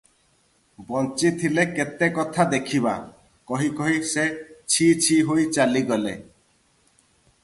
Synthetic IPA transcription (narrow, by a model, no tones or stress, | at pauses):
bɔnt͡ʃit̪ʰileket̪ekɔt̪ʰad̪ekʰiba̰ | kɔɦikɔɦiset͡ʃʰit͡ʃʰiɦojt͡ʃaliɡɔlḛ